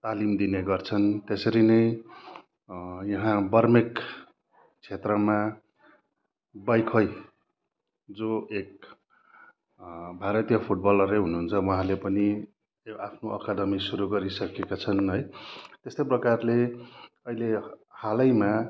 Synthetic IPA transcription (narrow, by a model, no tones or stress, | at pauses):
t̪alimd̪ineɡʌrt͡sʰʌnt̪esʌɾinʌj | jʌɦãbʌrmek | t͡sʰet̪rʌma | bajkʰʌj | d͡zoek̚ | bʱaɾʌt̪ijʌpʰuʈ̚bʌlʌɾeɦunuɦunt͡sʰʌwʌɦãlepʌni | apʰnoʔʌkad̪ʌmisuɾuɡʌɾisʌkekat͡sʰʌnɦʌjt̪est̪ʌjprʌkarle | ʌilehalʌjma